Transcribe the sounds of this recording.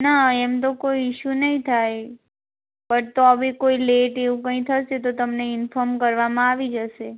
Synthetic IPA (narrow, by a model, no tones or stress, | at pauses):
naɛmt̪okoiɪʃunəĩt̪ʰaj | pəɾt̪oəʋekoileʈeʋũkə̃ĩt̪ʰəʃet̪ot̪əmneɪnfɔɾmkəɾʋamãaʋid͡ʒəʃe